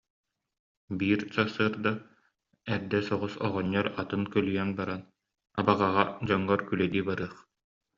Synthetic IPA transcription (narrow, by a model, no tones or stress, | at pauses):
biːɾsasɯːɾd̪a | ɛɾd̪ɛsɔʁɔsɔʁɔɲːɔɾat̪ɯnkœlyjɛnbaɾan | a̰baʁaʁad͡ʑɔŋːɔɾkylɛd̪iːbaɾɯːɐχ